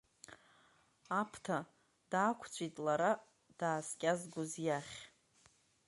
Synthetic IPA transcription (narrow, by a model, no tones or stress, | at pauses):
apʰtʰa | d̥aːkʷʰt͡sʷʼitʼlaɾa | d̥aːskʲʼazɡʊzjaχʲ